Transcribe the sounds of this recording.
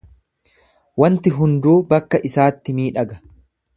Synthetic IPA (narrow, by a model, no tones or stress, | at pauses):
wɐnt̪ɪɦʊnd̪uːbɐkːɐʔɪsaːt̪ːɪmiːᶑɐɡɐ̥